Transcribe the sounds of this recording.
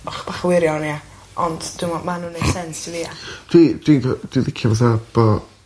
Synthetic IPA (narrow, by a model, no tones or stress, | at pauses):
ɔχb̥aχawɪɾjɔnia | ɔndd̥umɔmanuːnejsɛnsiviːad̥wid̥winɔd̥wiðɪkʰjavaθab̥ɔ